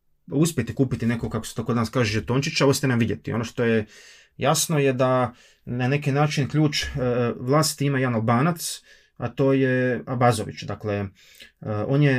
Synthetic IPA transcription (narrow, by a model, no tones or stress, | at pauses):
uspʲjet̪ikuːpit̪ine̞kokakose̥t̪okod̪anaskaːʒejet̪oːnt͡ʃit͡ʃausp̪jenamʋid̪jet̪ḭo̞noʃt̪o̞je | jasno̞jed̪a | nane̞kinaːt͡ʃinkʎʲuːt͡ʃʋlˠaːst̪imajeanalˠbaːnat̪s | at̪o̞ːjeabazoʋḭt͡ʃd̪akle | o̞ːnje